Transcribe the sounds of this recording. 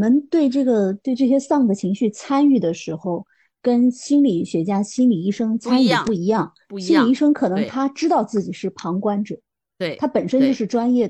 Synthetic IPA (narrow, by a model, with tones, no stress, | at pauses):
mə˧˥nt̪we˥˧ɪʈ͡ʂɤ˥˩ɡə˩t̪we˥˧ɪʈ͡ʂɤ˥˩ɕ̬jɛ˥sɑ˥˩ŋd̪ə˩t͡ɕʰi˧˥ŋɕy˥˩t͡sʰa˥ny˥˩d̪ə˩ʂɻ̩˧˥xo˥˧ʊ | kə˥nɕi˥nli˨˩ɕɥɛ˧˥t͡ɕja˥ɕi˥nli˨˩i˥˩ʂɤ˥ŋt͡sʰa˥ny˥˧˩pu˥˩i˧˥jɑ˥˩ŋ | ɕi˥nli˨˩i˥ʂɤ˥ŋkʰɤ˨˩nɤ˧˥ŋt̪ʰa˥ʈ͡ʂɻ̩˥t̪ɑ˥˧ʊt͡sɹ̩˥˩t͡ɕi˨˩ʂɻ̩˥˩pʰɑ˧˥ŋkwa˥nʈ͡ʂɤ˨˩˦ | t̪ʰa˥pə˨˩nʂə˥nt͡ɕjo˥˧ʊʂɻ̩˥˩ʈ͡ʂwa˥njɛ˥˩